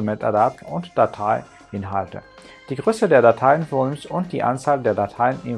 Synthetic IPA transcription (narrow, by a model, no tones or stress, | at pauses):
mɛta̰dap̚tʊntd̥atʰaɪ | ʔɪnɦaltə̰ | d̥iːɡʁøːsədeːɐdatʰaɪənfoːnɪmsʊnt̚d̥ḭːʔa̰nt͡saːldeːɐdatʰaɪənɪn